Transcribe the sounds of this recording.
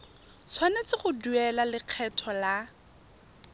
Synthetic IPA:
t͡sʰwanet͡sɪχʊduɛlalɪq͡χʰɛtʰɔla

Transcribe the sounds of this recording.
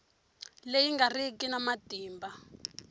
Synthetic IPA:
lejiŋɡarikinamatiːmba

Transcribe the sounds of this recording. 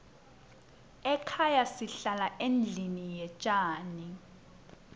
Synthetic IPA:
ɛkʰajasiɬalaʔend͡ɮʱinijɛt͡ʃʼaːni

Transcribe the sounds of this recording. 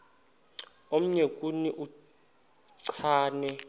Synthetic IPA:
om̩ɲekʼuniʔu | ǀʰaːnɛ

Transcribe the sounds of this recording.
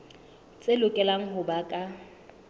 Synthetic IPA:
t͡sʼelʊkʼɛlaŋ̩ɦʊbakʼa

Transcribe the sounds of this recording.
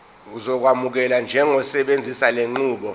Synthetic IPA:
uzɔk̬wamuk̬ɛland͡ʒʱɛŋɔsɛɓend͡zʱisaleŋ͡ǃuːɓɔ

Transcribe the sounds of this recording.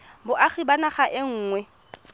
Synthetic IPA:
bʊʔaχibanaχaʔɪŋ̩ːŋwɛ

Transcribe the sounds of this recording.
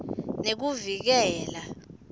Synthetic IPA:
nek̬uvik̬ɛːla

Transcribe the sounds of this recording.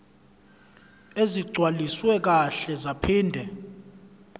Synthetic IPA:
eziɡ͡ǀʱwaliswɛk̬aɬɛzapʰiːndʱɛ

